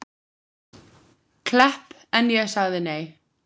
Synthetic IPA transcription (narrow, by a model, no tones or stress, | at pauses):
kʰl̥ɛhp | ɛnjɛsaɣðɪnej